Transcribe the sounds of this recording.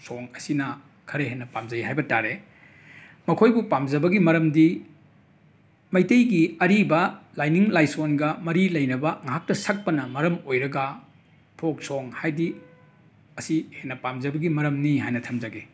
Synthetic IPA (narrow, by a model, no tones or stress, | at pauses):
soŋɐsinɐ | kʰɐɾeɦenːɐpamd͡ʒɐjɦajbɐtaɾe | mɐkʰojbupamzɐbɐɡimɐɾɐmdi | mɐjtejɡiɐɾibɐlajniŋlajsonɡɐmɐɾilɐjnɐbɐŋɦak̚tɐsɐk̚pɐnɐmɐɾɐmojɾɐɡɐ | pʰok̚soŋhajdi | ɐsihenːɐpamzɐbɐɡimɐɾɐmniɦajnɐtʰɐmzɐɡi